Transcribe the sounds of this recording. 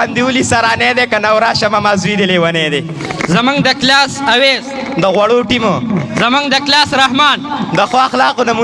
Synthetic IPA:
and̪iulisaɾaːned̪ekanawɾaːʃɐmamazwid̪elewɐned̪e | zɐmuŋɡd̪əklaːsɐweːz | d̪əɣwɐɽoʈimozɐmuŋɡd̪əklaːsɾaɦmɑːnd̪əxaxlɑːqonamu

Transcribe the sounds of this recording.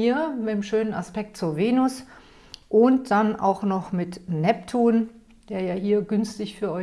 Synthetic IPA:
iːɐmɪteːmʃøːnəna̰spɛk̚tt͡suːɐveːnʊs | ʔʊnt̚d̥anʔa̰ʊxnɔχmɪtnɛptʰuːn | d̥eːɐjaːhiːɐɡʏnstɪçfyːɐʔɔ

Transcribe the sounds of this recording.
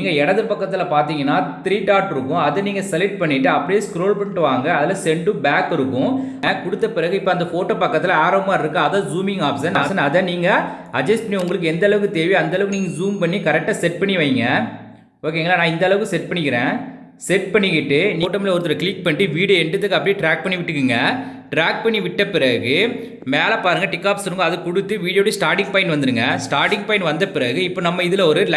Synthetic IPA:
niːŋɡɐɛɽɐðɯpɐkːɐt̪ːɪlɐpaːɾt̪̬iːŋɡɐnːaːt̪ɪɾiːʈaːɾʈɪɾɯkːʊ̃ɐðɐniːŋɡɐsɐlɪʈ̚pɐɳːɪʈːɯɐpːɐɽijeːskɾoːlpɐɳʈːɯʋaːŋɡɐːðɪlɐsɛɳɖɯ̃baːkɪɾɯkːʊ̃ɐkʊɽɯt̪ːɐpɪɾɐɣɯɪpːoːɐnd̪ɐfoːʈːoːpɐkːɐt̪ːɪlɐaːɾɐmbaːɪɾɯkːɯ̃ɐðaːzuːmɪŋɡaːbsɐnɐsɐnɐðɐniːŋɡɐɐd͡ʒɐsʈpɐɳːiʊŋɡɐɭɯkːɯɛnd̪ɐɭɐʋɯkːɯt̪eːʋiɐnd̪ɐɭɐʋɯkːɯniːŋɡɐzuːmpɐɳːikɐɾɛk̚ʈːaːsɛʈ̚pɐɳːiʋɐjŋɡɐ | oːk̬eːŋɡɐɭaːnãːɪnd̪ɐɭɐʋɯkɯsɛʈ̚pɐɳːɪkɪɾẽː | sɛʈ̚pɐɳːɪkɪʈːɯniʈːɐmɪlɐɔɾɯt̪ːɯlɐkɭɪk̚pɐɳʈːɯʋiːɽijɐɛɳɖɯt̪ːɯkːɐpːɐɽiʈɾaːk̚pɐɳːiʋɪʈːɯkːɯŋɡɐʈɾaːk̚pɐɳːiʋɪʈːɐpɪɾɐɣɯ | meːlɐpaːɾɯŋɡɐʈɪkːaːpsɾɯŋɡɐɐðɯkʊɽɯt̪ːɯʋiːɽjoːʈːɯsʈaːɾʈɪŋɡ̚pɐɪɳnɖʋɐnd̪ɯɾɯŋɡɐsʈaːɾʈɪŋɡ̚pɐɪ̃nʋɐnd̪ɐpɪɾɐɣɯɪpːoːnɐmːɐɪðɯlɐɔɾɯl

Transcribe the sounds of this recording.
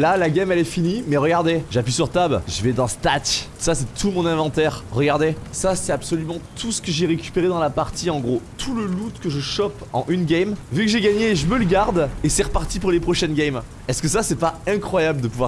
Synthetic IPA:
lalaɡʲɛmɛlɛfinimɛʁəɡaʁd̪eʒapɥisyʁt̪abʒəvɛd̪ɑ̃st̪atsasɛt̪ʰumɔ̃nɛ̃vɑ̃t̪ɛʁːəɡaʁd̪esasɛt̪apsɔlymɑ̃t̪ʰusə̥kəʒeʁekʲy̥peʁed̪ɑ̃lapaʁt̪ʰiɑ̃ɡʁot̪ʰuləlut̪kəʒəʃɔpɑ̰̃ʔynɡʲɛmvykəʒeɡaɲeʒəmələɡaʁd̪esɛʁəpaʁt̪ipuʁlepχɔʃɛnɡʲɛm | ɛskəsasɛpaɛ̃kχwajabld̪əpuvwa

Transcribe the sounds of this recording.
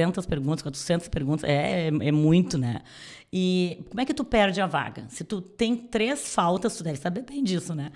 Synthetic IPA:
ẽnt̪ɐspeɾɡũt̪ɐskwat̪ɾʊ̥sẽnt̪ɐ̥speɾɡũnt̪ɐsɛɛɛmũj̃t̪ʊnɛ̰ | ɪkõmʊɛkɪt̪upɛɾd͡ʒɪɐva̰ɡɐ̰sɪt̪ut̪ẽj̃t̪ɾesfawt̪ɐst̪ud̪ɛvɪsabeɾbẽj̃d͡ʒisʊnɛ

